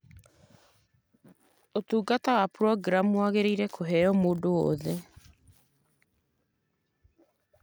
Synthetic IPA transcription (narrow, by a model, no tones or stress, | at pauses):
otuːɡatawapɾɔɡɾamuaɣeɾeiɾɛkʰoɦɛjɔmoːdoɔ̰ðɛ